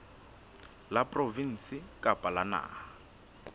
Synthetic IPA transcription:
lapʼrovin̩sɪkʼapʼalana̰ː

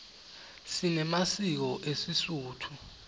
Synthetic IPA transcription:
sinɛmasik̬ɔʔesisuːtʰu

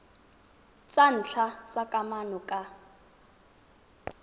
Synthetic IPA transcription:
t͡sʼan̩t͡ɬʰat͡sʼakʼamanɔkʼa

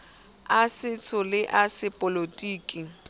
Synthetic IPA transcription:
asɪt͡sʰʊlɪʔasɪpʼolotʼiːkʼi

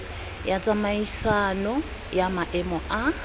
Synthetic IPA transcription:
jat͡sʼamaisanɔ | jamaʔɛmɔʔa

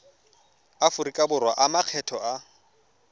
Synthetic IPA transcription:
afʊɾikʼabʊrwaʔamaq͡χʰɛtʰɔa

